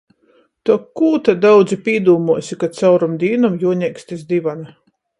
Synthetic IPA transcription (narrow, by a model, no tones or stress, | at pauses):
t̪ukːuːt̪ad̪awd̪zipʲiɛd̪uːmuɔsʲikat̪sawɾumd̪ʲiːnumjuɔɲʲɛksʲt̪ʲisd̪ʲivana